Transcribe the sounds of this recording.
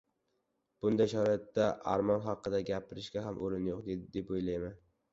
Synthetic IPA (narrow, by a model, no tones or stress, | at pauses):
b̥ʊnd̪ajʃɒɾat̪ːaʔaɾmɒnɦɑqɨd̪aɡʲapʰɪɾɪʃɡʲaɦamʔoɾɪnjoqd̪e̞d̪ɪd̪e̞pojlajman